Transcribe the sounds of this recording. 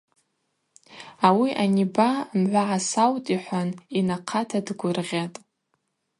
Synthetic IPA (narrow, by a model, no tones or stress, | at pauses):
awiʔanibamʕʷaʕasawtʼiħʷaninaqʰatʰadɡʷʊrʁʲatʼ